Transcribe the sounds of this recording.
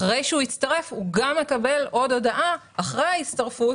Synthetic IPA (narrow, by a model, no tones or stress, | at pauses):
ʁejʃeuit͡stɐʁe̞fuɡamːe̞kɐbe̞lʔo̞do̞daʔaː | χʁejhait͡stɐʁfu